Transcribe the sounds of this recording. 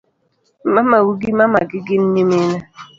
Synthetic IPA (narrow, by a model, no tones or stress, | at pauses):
mamawuɡiimamaɡiɡinɲimina